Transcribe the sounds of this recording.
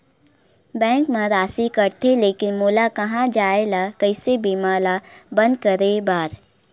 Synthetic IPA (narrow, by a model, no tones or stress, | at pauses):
bɛ̃ːŋkmẽɾaːsikəɾt̪ʰeleːkɪnmoːlakɐɦãd͡ʒaːelakəɪsebiːmaːlabə̃nd̪kəɾebaːɾ